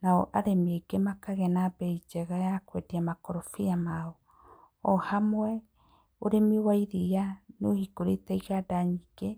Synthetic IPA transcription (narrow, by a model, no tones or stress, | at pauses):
naɔʔaɾemeɡemakaɣɛnabɛid͡ʒɛɣajakwediamakɔɾofiamaɔ | ɔhamwɛ | oɾemiowaiɾijanohikoɾetaiɣadaɲiɡ̥e